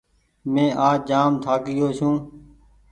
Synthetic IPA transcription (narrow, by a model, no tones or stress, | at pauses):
mẽːʔaːd͡ʒaːmt̪ʰaːkɪjoːsʰũː